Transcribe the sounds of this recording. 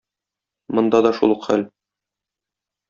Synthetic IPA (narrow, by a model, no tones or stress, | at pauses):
mŏnd̪ɑd̪ɒʃṵlˠɤqχæ̰l